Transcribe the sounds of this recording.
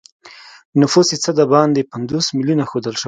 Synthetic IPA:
nʊfusit͡səd̪abɑnd̪epand̪osmiljunaxod̪əlʃə

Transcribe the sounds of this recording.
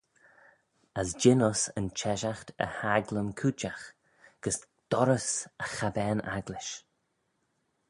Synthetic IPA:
əsd͡ʒɪnɔsə̰nt͡ʃʰɛʒaxt̪ʰə̰haɡləmkʰut͡ʃax | ɡ̥əs | d̪̥ɔɾəsəxabɛːna̰ɡlɪʃ

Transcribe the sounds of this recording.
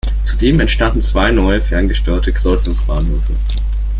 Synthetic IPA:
t͡sudeːmɛntʃtandn̩t͡sv̥aɪnɔʏəfɛɐnɡəʃtøːɐtʰəɡəz̥ɔsʊŋsb̥aːnhøːfə

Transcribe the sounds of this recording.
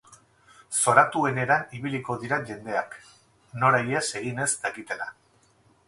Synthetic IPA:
so̞ɾat̪ue̞ne̞ɾaniβiliko̞ðiɾaʝe̞nd̪e̞ak | no̞ɾaje̞se̞ɣine̞zd̪aɣit̪e̞la̰

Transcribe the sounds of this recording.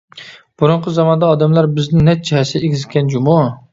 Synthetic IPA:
b̥uɾʊɴqʰəzɑmɑnd̪ɑːd̪ɛmlˠɑɾbɪznɪnɛt̪̚d͡ʒihɛsɪɛeɡʲɪzɪk̪ʲɛnd͡ʒumɑ

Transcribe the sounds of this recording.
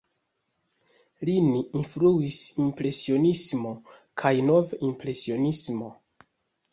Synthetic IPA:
liniːnfluisimpɾe̞sio̞nismo̞ | kʰajno̞vimpɾe̞sio̞nismo̞

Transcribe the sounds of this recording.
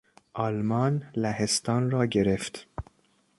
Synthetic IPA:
ʔɒːlmɒːnlæhest̪ɒːnɾɒːɟe̞ɾeft̪

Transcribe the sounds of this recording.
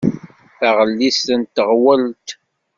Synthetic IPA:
θaʁəlːisənt̪əʁwælt̪

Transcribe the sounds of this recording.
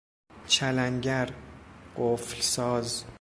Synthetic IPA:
t͡ʃʰælæŋɟæɾɢ̥oflsɒːz

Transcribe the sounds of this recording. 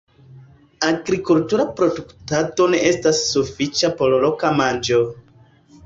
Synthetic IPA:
aɡɾikultuɾapɾo̞duktato̞ne̞ʔe̞stasːufit͡ʃapo̞lolokamand͡ʒo̞

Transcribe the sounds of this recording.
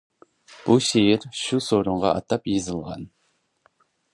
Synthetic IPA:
b̥uʃejɪɾʃusoɾoɴʁɑ̰ʔɑ̰t̪ɑpjizɨlˠʁɑ̰n

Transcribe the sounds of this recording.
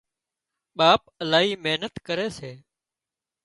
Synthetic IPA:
ɓaːpəlaːɦiːmeɦnət̪kəɾeːseː

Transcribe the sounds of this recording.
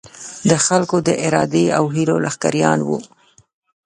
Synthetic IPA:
d̪əxalkod̪əʔɪɾɑd̪eawɦiɾolaxka̰ɾjɑ̰nwṵ

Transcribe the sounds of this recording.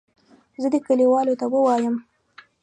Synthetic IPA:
zəd̪əkəliwɑlot̪awəwɑjəm

